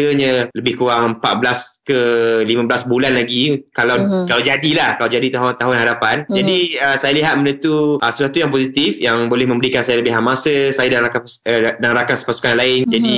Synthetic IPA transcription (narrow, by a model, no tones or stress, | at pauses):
əɲə̃ləbɪhkuɾaŋəmpat̪̚bəlaskəlimãbəlasbulanlaɡikalawkalawd͡ʒadilahkalawd͡ʒadit̪aɦʊnt̪aɦʊnɦaɾapand͡ʒadiəsajaliɦat̪̚mənənt̪uʔəsusat̪ujaŋposit̪ifjaŋbolɛhmə̃mbəɾikansajaləbɪhɦamasəsajadanɾakadaŋɾakansə̥pasu̥kanlaɪnd͡ʒadi